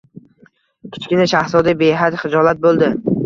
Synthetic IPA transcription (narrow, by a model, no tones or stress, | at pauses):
kʲʰɪ̥t͡ʃkʲɪnɪʃahsɒd̪abeɦat̪χɪd͡ʒɒlˠat̪̚bolˠd̪ɪ